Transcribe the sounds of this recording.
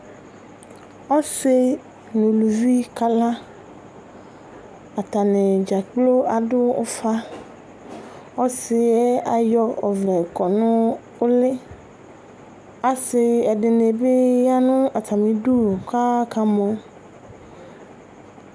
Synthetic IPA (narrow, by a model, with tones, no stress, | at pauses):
ɔ˦sɪ˦ | nʊ̃˨lu˨vi˦ka˦lã˦ | a˨t̪a˨nɪ˨d͡ʒa˨k͡plo˦a˨dʊ˦ʊ̰˦fa˦ | ɔ˦sɪ˦ɛ˦a˨jɔ˦ɔ˨vlɛ˨kɔ˨nʊ̃˦ | ʊ˦lɪ˦ | a˨sɪ˦ɛ˨dɪ˨ne˨be˦ja˦nʊ̃˦a˨t̪a˨mĩ˨du˦˨ka˦ka˦mɔ̃˦